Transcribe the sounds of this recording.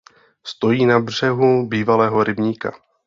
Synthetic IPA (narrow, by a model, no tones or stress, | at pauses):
st̪o̞jiːnabr̝̥ɛɦubiːvalɛːɦo̞ɾɪbɲiːka̰